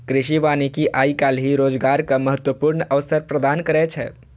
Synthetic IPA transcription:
kɾiʃiʋanikiʔaːikalɦiɾoːd͡ʒɡaɾkaməɦət̪wəpuɾnəʋsəɾpɾəd̪ankəɾɛt͡ʃʰɛ̰

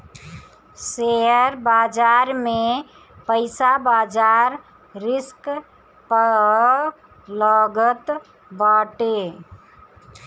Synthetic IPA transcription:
seəɾbaːd͡ʒaːɾme | pəɪsabaːd͡ʒaːɾ | ɾɪsk | pə | ləɡət̪ | baʈe

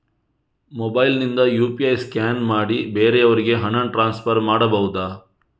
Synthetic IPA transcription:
mobɐjlnind̪ɐjuːpiɐjskaːnmaːɽibeːɾeɐʋɐɾiɡe̞ɦɐnɐnʈɾaːnspʰɐɾmaːɽɐbɐɦud̪aː

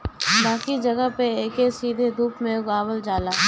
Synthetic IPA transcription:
baːkid͡ʒɐɡəɦpeeːkesiːd̪ʱed̪ʱuːpmẽɡaːbəld͡ʒaːlaː

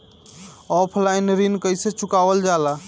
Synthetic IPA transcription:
ɔpʰlajnɾinkəjset͡ʃukabəld͡ʒala

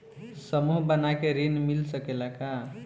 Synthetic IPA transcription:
səmuɦbənakeɾinmilsəkelaka

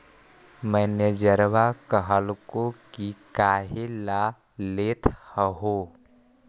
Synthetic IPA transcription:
məɦnjəd͡ʒəɾʋakəɦəlkokikaːɦela | let̪ʰhəɦo

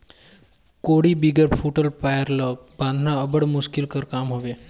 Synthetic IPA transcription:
koɽibiɡəɾpʰuʈəlpajəɾlək̚bãnd̪ʱnaəbəɽmuʃkilkəɾkaːmɦoʋe

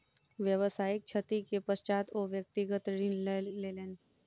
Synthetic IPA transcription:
ʋjəʋəsaːɪk̚t͡ʃʰət̪ikepəst͡ʃaːt̪oʋjək̚t̪iɡət̪ɾineleleːn

